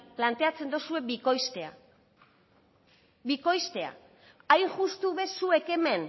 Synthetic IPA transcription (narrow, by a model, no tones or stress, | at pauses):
plant̪e̞at͡se̞nd̪osue̞ikosea̰ | biko̞jst̪e̞a̰ | ajŋʝust̪uβe̞sue̞ke̞me̞n